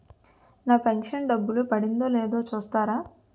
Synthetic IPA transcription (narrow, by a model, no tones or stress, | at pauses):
naːpeŋkʂɐnɖɐbːulupɐɽind̪oːleːd̪o̞ːt͡ʃuːst̪aːɾaː